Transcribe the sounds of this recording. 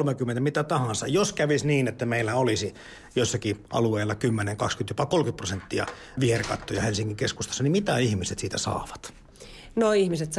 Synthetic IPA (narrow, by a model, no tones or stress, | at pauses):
lmekyment̪æmit̪æt̪ɑhɑ̃nsɑjoskæʋisniːnet̪ːæmeilːæolisi | joˑisːɑkiʔɑ̰lueːˑilːɑkymːeneŋkɑkskynt̪jopɑkolkyt̪̚prosent̪ːiɑ̰ | ʋiherkɑ̰t̪ːojɑhelsiŋːkːiŋkeskust̪ɑsːɑnimit̪æihmiset̪siːt̪æsɑ̰ːʋɑ̥t̪ | noihmiset̪